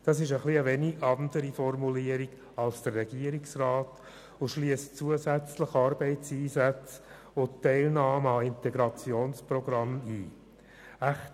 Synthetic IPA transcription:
d̥ɑːsɪʃəχliəʋɛniɡɑnd̪əɾifɔrmuliːəɾiɡ̥ | ɑlsd̥ərːɛɡiːəɾiksrɑːt | ʊʃliəst͡suəzæt͡sləχɑɾbɛɪtsiːzæt͡s | ʊtːɛɪlnɑːməɑɪnt̪ɛɡɾɑt͡sjoːnsprɔɡɾɑmiː | æχt

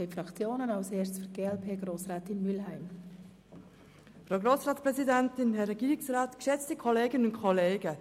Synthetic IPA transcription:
ɛɪfrɑkt͡sjoːnənaʊshɛːt͡sfyɡ̥eːɛlpʰeːɡ̥roːsrɛːtɪnmylɦæɪm | fɾʁoʊɡɾoːsʁɑːtpʁɛzidɛntɪnɦɛɾɛɡiːɾɪksʁaːtkʃɛt͡stəkʰɔleːɡənʊnkʰɔleːɡə

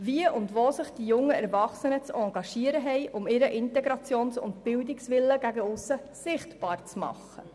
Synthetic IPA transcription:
viəʔʊndvoːsɪχd̥ijʊŋːəɛɾvɑχsənət͡sɑŋɡ̥ɑʃiəɾəɦɛjʔʊmɪɾəʔɪntɛɡɾɑt͡sjoːnsʊ̰ntb̥ɪldɪksʋɪlːəɡæɡəʊsə | sɪχtb̥ɑːɾt͡smɑ̰χːə̰

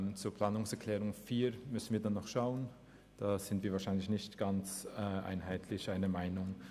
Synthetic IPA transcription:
mt͡suːɐpl̥aːnʊŋsɛɐkʰl̥ɛːʁʊŋfiːmʏsn̩viːɐdanːɔχʃaʊən | d̥aːz̥ɪntv̥iːɐvaːʃaɪnlɪçnɪçtɡ̥ant͡sɛʔa̰ɪnɦaɪtʰlɪçʔaɪnəmaɪnʊŋ

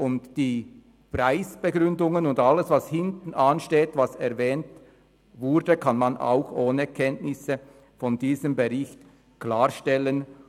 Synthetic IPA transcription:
ʔʊntd̥iː | praɪsb̥əɡʁʏndʊŋənʊndalːəsvashɪntn̩anʃteːtvasɛʁvɛːnt | vʊɾdəkʰanmanʔa̰ʊxʔoːnəkʰɛntnɪsə | fɔndiːzəmbəʁɪçt | klaːʁʃtɛlən

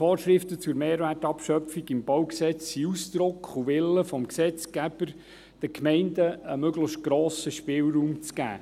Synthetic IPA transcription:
fɔːɾʃrɪftət͡sʊɾmeːɾʋætɑpʃœpfiɡɪmb̥ɑwksɛt͡siusd̪̥ɾʊkχuʋɪlːəfɔmksɛt͡sɡ̥æb̥əɾ | d̥əkʰmɛɪndəəmøɡləçʃt̚ɡ̥ɾɔːsəʃpɪːlruːmt͡sɡ̥æ̰ː

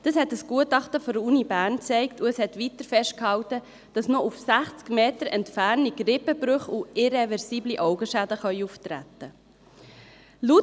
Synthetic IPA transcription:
d̥ɑshɛtəsɡ̥uətɑχtəfɔɾəɾunibæːɾnt͡sɛɪktuɛshɛt̪ʋitəɾfɛʃt̚khɑwtə | d̥ɑsnɔʔufsæχt͡skmeːtəɾɛntfæɾniɡɾɪpəbɾøχuɪɾɛvɛɾsiːbliʔɔʊɡəʃædəχœʏuftɾæ̰tə | lu

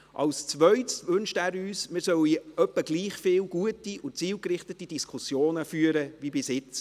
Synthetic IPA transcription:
ʔɑ̰lst͡sʋœɥtsʋɵnʃtæːɾyːsmɪːɾsœwiœpːəɡliːχfɪːwɡ̥uətiʊt͡siːwkɾɪχtətːid̥iskʰʊsjoːnəfyːəɾəʋibɪsɪt͡s

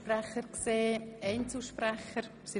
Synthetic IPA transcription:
prɛχəɾkseːɛɪnt͡suʃpɾɛxəɾ | si

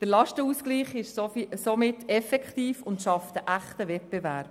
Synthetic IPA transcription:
d̥əɾlɑʃtəuːskliːχɪʃsosomɪtːɛfɛkχtiːfʊntʃɑft̪əʔæχtəvɛt̚b̥ɛvæːɾb̥

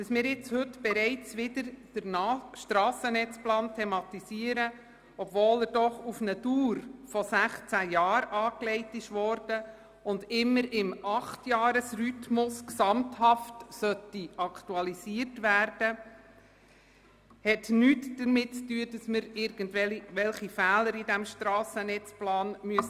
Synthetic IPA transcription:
d̥ɑsmɪːɾjɪt͡shʏtb̥ɛɾɛɪt͡sʋɪdəɾd̥əɾnɑʃtɾɑːsənɛt͡splɑːntʰɛmɑt̪isiːəɾə | ɔb̥voːləɾdɔχufnəd̥uːɾfɔsæχt͡sæjɑːɾɑːklɛɪtɪʃʋɔɾd̥ə | ʊndɪmːəɾɪmɑχtjɑːɾəsrytmʊsksɑmthɑftsœtːiɑkʰtuɑlisiərtʋæːrd̥ə | hɛtnyːtd̥əɾmɪtt͡styːəd̥ɑsməɾɪɾɡ̥əndʋɛliʋɛlχifæːləɾidæmʃtɾɑːsənɛt͡splɑːnmyəs

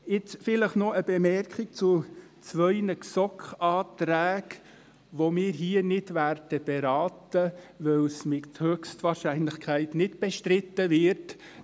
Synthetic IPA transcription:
ɪt͡sfɪləχnɔʔəb̥ɛmɛrkʰɪk̚t͡sʊ | t͡sʋœɪnəksɔkχɑːtɾæːk | ʋomɪːɾɦiːənɪdværd̥əb̥ɛɾɑːtəʋɛwsmɪthøːkstʋɑːɾʃæɪnlɪxkʰæɪtnɪtb̥ɛʃtɾɪtːəvɪɾt

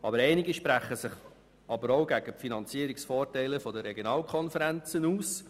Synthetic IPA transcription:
ɑbəɾɛɪnɪɡəʃpɾæχəsɪχ | ɑbəɾoʊɡæɡ̥əpfinɑnt͡siəɾiksfoːrtɛɪləfɔdəɾɛɡjonɑːlkʰɔnfəɾænt͡sənuːs

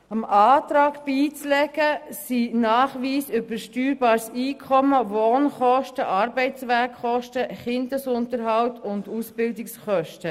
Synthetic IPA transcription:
ɑmʔɑːtɾɑːɡb̥iːt͡slɛɡ̥əsinɑːχʋiːsʏbəɾʃtyːɾbɑːɾsiːkʰɔməvoːnχɔʃtəʔɑɾbɛɪtt͡sʋækχɔʃtəχɪndəsʊntəɾɦɑwtʊndusb̥ɪldɪksχœʃtə

